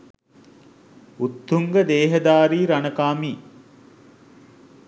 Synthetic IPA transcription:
ut̪ːuŋɡəd̪eːɦəd̪aːɾiːɾanəkaːmiː

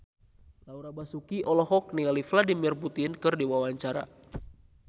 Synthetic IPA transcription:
lauɾabasukiʔɔlɔɦɔk̚nialifladimirput̪ɪnkɨrdiwawaɲt͡ʃaɾa̰

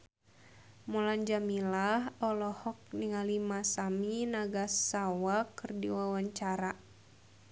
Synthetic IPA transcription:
muland͡ʒamilaɦɔlɔhɔk̚niŋalimasaminaɡasawakɨrdiwawaɲt͡ʃaɾa

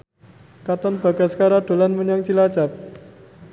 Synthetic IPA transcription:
kat̪ɔnb̥a̤ɡaskaɾaɖ̥o̤lanməɲɔŋt͡ʃilad͡ʒa̤p̚

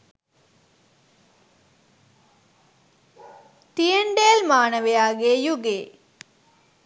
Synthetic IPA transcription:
t̪ijɐɳɖeːlmaːnɐʋejaːɡejuɡḛː

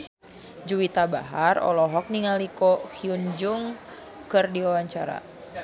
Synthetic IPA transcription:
d͡ʒuwit̪abaɦarɔ̰lɔɦɔk̚niŋalikɔhiund͡ʒuŋ | kɨrdiawaɲt͡ʃaɾa̰

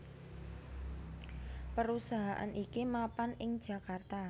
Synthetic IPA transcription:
pəɾusaɦaʔa̰nʔikimapanɪŋd̥ʒ̥a̤kart̪a

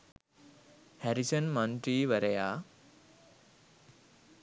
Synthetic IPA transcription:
hæɾisənmanʈɾiːʋəɾəjaː

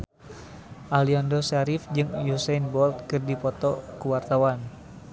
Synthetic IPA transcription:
ʔaliandɔsaɾifd͡ʒɨŋjusɛnbɔlt̪̚kɨrdipɔt̪ɔkuwart̪awan

